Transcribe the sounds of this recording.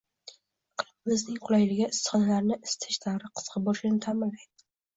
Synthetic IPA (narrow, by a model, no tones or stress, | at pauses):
qʰɨlˠbɪmɪznɪŋqʰʊlˠajlɪɡʲɪɪsːχɒnalaɾnɪʔɪst̪ʰɪ̥ʃt̪ʰaɾɪqʰɨ̥z̥qʰɑbɒʃɪnɪt̪ʰamɪllːajd̪̥ɪ̥